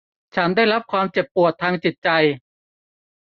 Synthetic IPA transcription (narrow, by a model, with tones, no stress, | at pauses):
t͡ɕʰa˦˥ndaː˥˩jɾa˦˥p̚kʰwaː˧mt͡ɕe˨˩pːu˨˩ət̪ʰːaː˧ŋt͡ɕi˨˩t̪̚t͡ɕa˧j